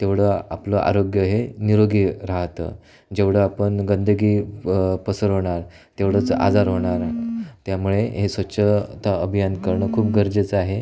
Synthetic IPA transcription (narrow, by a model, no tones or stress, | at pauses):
t̪eʋɽ̤əa̰pləʔa̰ɾoɡjəɦeniɾoɡiːɾaɦt̪ə̰ | d͡ʑeʋɽ̤əapəɳɡənd̪əɡiːpəsəɾɦoɽ̃aɾ | t̪eʋɽət͡sa̰d͡zaɾɦoɽ̃aɾt̪jamuɭeɦesʋətːɕʰət̪aəbʱijankəɾɳəkʰuːp̚ɡʱəɾd͡ʑet͡səaɦe